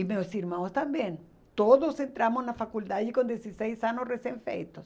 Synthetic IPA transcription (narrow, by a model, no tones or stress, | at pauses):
imeosiɾmãwst̪ambjen | t̪oðosent̪ɾamoznafakuld̪aðikond̪jesisejsanosresjeɱfḛjt̪os